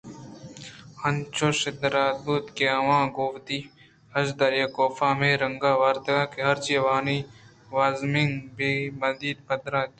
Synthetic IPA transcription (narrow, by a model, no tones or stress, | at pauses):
ɐnt͡ʃoʃɪd̪ɾaːd̪̚buːt̪keɐʋãːɡoːwt̪iː | hɐʃd̪ɐɾjakoːfaːmẽːɾɐŋɡaːʋɐɾt̪ɐɡaːkeɦɐɾt͡ʃiʋaːniː | ʋaːzmɪŋɡbeːmɐnd̪iːd̪̚pɐd̪ɾaːt̪ː